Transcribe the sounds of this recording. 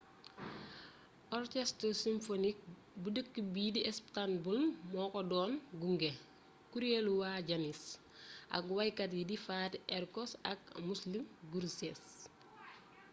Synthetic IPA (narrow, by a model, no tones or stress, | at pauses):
ʔɔrkɛstəsimfonik̚ | budəkːəbiːdiɛsptanbulmɔːkɔdɔːnɡuŋɡe | kuɾeluwaɟanis | ʔɐ̰kwɐjkɐt̬jidifaːtɛɾkɔsɐk̚muslimɡuɾsɛs